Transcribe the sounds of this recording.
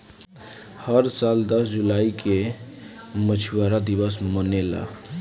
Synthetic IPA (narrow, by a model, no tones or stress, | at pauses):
həɾsald̪əsd͡ʒulaike | mət͡ʃʰuwaɾad̪iʋəsmənela̰